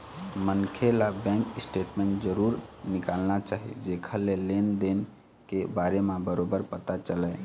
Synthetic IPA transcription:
mənkʰelabɛ̃ŋkisʈeʈmẽɳʈd͡ʒəɾuɾnikalnat͡ʃaɦḭd͡ʒekʰəlːelend̪en | kebaɾemebəɾobəɾpət̪at͡ʃəlɛ

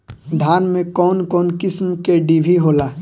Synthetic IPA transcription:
d̪ʱaːnmẽkɔːnkɔːnkɪsmkeɖibʱiɦoːlaː

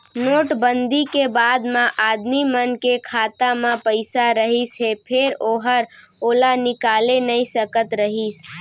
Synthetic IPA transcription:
noːʈbənd̪ikebad̪mãʔad̪mimənkekʰat̪amãpəɪsaɾəɦisɦepʰeɾoɦəɾ | olanɪkalenəisəkət̪ɾəɦis

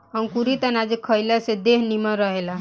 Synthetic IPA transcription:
aw̃kuɾit̪anad͡ʒekʰːɔjlased̪eɦnimɔɾɔɦela

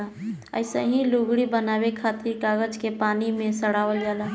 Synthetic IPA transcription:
aə̰ɪsəɦĩluɡɽibənaːbekʰat̪ɪɾkaːɡəd͡ʒkepaːnimẽsəɽaːʋəljalaɦ

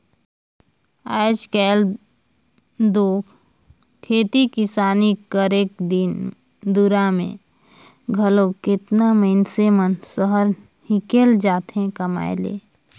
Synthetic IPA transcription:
aːɪd͡ʒkɛːl | d̪oːk | kʰeːt̪ikɪsaːnikəɾeːk̚d̪ɪn | d̪uɾamḛ̃ | ɡʱəlokɪt̪namənsemənsəɦəɾ | hikeːld͡ʒaːt̪ɦẽkəma̰ːḛlḛː

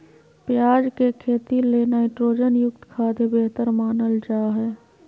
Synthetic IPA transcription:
pjaːd͡ʒkekʰeːt̪ileːnaɪʈɾoːd͡ʒənjʊk̚t̪kʰaːd̪ebeɦt̪əɾmaːnəld͡ʒaːɦɛː

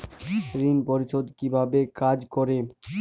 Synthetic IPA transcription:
ɾinpoɾiʃʰod̪kibʱabekad͡ʑkɔɾe

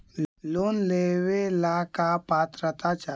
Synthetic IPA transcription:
loːnleːwelaːkapaːt̪ɾət̪at͡ʃa

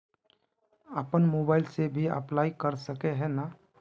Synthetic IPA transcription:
əpənmoːbaːɪlsebʱiə̰plaːikəɾsəkeɦɛ̃na

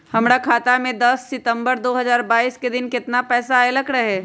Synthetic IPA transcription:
hɐmɾakʰaːt̪amẽd̪ɐsːɪt̪ə̃mbəɾd̪oːɦɐzaːɾbaːiːsked̪ɪnkɪt̪napɛːsaelɐkɾɐɦɛː

